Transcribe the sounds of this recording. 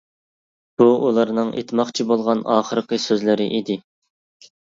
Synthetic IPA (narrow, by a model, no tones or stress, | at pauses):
b̥uulˠɑɾnɨŋʔḛt̪ʰmɑχt͡ʃʰibolˠʁɑnɑ̰ːχəɾqəsøzlɪɾɪ̰ʔid̪ɪ